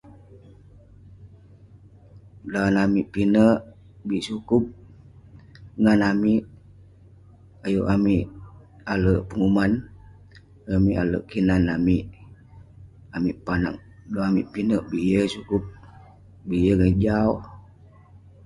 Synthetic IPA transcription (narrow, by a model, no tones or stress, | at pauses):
danamiʔpinəʔ | biʔsukʊp̚ | ŋanamiʔ | ajuʔamiʔ | aləʔpəŋuman | amiʔalə̰ʔkinanamiʔ | amiʔpana̰ŋ̚doamiʔpinəʔbiʔjəsukup̚ | biʔjəŋəd͡ʒaw